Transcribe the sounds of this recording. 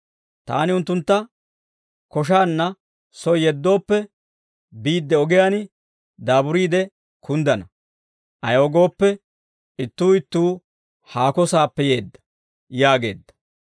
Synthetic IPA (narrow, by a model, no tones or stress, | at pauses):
t̪a̰ːnɪʊnt̪ːʊnt̪ːɐ | kɔʃ̬aːnːɐ | sɔjjɛd̪ːo̞ːpːɛ | biːd̪ːɛɔɡɪjaːnɪ | d̪aːbʊɾiːd̪ɛ | kʊnd̪ɐnɐ | ʔɐjoːɡo̞ːpːɛ | ɪt̪ːuːɪt̪ːuː | haːkɔsaːpːɛje̞ːd̪ːɐ̥ | jaːɡe̞̰ːd̪ːɐ̥